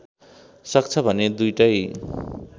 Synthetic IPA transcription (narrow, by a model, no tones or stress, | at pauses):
sʌk̚t͡sʰʌbʱʌned̪ujʈʌj